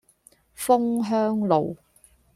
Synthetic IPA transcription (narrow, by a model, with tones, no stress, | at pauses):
fʊ˥ŋɦœː˥ŋlo˨w